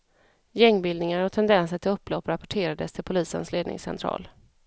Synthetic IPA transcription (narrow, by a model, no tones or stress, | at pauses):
jɛŋːbɪld̪nɪŋaɾɔt̪ʰɛnd̪ɛnsəʈʰɪlɵpːlɔpːɾapɔ̥ʈʰeːɾad̪əst̪ʰɪlpʰʊliːsə̰nsleːd̪nɪ̰ŋsɛ̰nt̪ʰɾɑ̰ːl